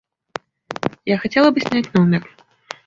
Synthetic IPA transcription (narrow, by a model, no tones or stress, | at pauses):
jaxat͡sʲɛlˠɐbɨsʲnʲat͡sʲnɔwnʲɛk